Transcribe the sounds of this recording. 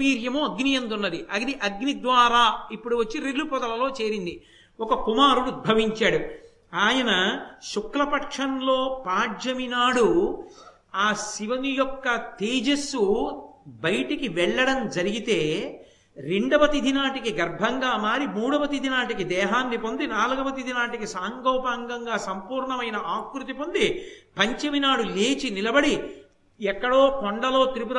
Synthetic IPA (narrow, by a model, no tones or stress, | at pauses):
iːɾjɐmoːɐɡnijɐnd̪unːɐd̪iʔɐɡniʔɐɡnid̪ʋaːɾaːipːuɽuʋɐt͡ʃːiɾelːupɔd̪ɐlɐlo̞ːt͡ʃe̞ːɾind̪i | ɔkɐkumaːɾuɽud̪̚bʱɐʋiɲt͡ʃaːɽu | aːjɐnɐʃukɾɐpɐkʂɐnlo̞ːpaːd͡ʒɐminaːɽu | aːsiʋɐnijɔkːɐt̪iːd͡ʒɐsu | bɐjʈikiʋɛɭːɐɽɐmd͡ʒɐɾiɡit̪e̞ː | ɾeɳɖɐʋɐt̪id̪ʱinaːʈikiɡɐɾbʱɐŋɡaːmaːɾimuːɽɐʋɐt̪id̪ʱinaːʈikid̪ɛːɦaːnːipo̞nd̪inaːluɡɐʋɐt̪id̪ʱinaːʈikisaːŋɡoːpaːŋɡɐŋɡaːsɐmpuːɾɳɐmɐjnɐʔaːkɾut̪ipond̪ipɐɲt͡ʃɐminaːɽuleːt͡ʃinilɐbɐɽi | ɛkːɐɽo̞ːpɔɳɖɐlo̞ːt̪ɾipuɾ